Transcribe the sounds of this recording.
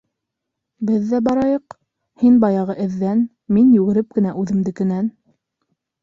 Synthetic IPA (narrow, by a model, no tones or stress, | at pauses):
bɘðːæbɑɾɑjɤq | hinbɑjɑʁɤʔɘ̆ðːæn | minjʉɣɘ̆ɾɘp̚kɘ̆næʔʉðɘ̆md̪ɘ̆kɘ̆næn